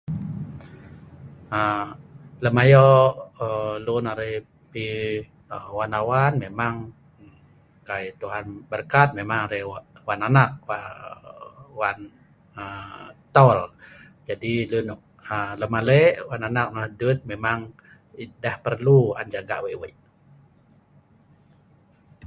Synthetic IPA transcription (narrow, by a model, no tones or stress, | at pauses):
ə | ləmajɔəlunaɾeh | pi | əwanawanmemaŋ | kajt̪uɦanbərkat̪̚memaŋaɾɛwananak̚wa | wan | ət̪ɔl | d͡ʒadilunʔ | ələmalɛʔwananak̚naahdut̪̚memaŋ | idahpərlua̰nd͡ʒaɡa̰ʔweʔwəʔ